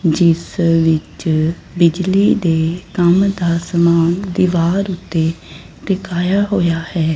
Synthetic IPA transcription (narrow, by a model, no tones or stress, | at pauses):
d͡ʒɪsʋɪt͡ʃ | bɪd͡ʒliːd̪eːkəmd̪aːsəmaːnd̪iʋaːɾʊt̪ːeː | ʈɪkaːjaːɦoːjaːhɛː